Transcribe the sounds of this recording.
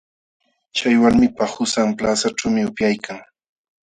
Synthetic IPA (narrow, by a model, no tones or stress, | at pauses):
t͡ʃajwalmɪpahʊsamplasaʈ͡ʂawmɪʊpjajkʰaŋ